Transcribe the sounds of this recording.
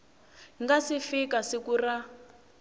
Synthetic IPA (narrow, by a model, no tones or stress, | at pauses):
ŋɡasifikasikura